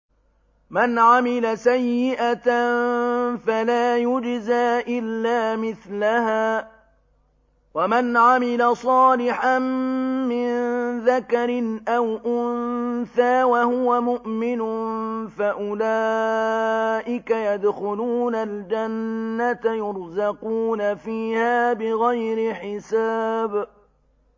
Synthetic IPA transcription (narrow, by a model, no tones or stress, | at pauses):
manʕamɪlasajːɪʔat̪a | falaːjʊd͡ʒzaːʔɪlːaːmɪθlahaː | wamanʕamɪlasˤɑːlɪħanmɪnðakaɾɪnʔawʔʊnθaːwahʊwamʊʔmɪnʊfaʔʊlaː | ʔɪkajad̪xʊluːnald͡ʒanːat̪ajʊɾzɑquːnafiːhaːbɪɣajɾɪħɪsaːb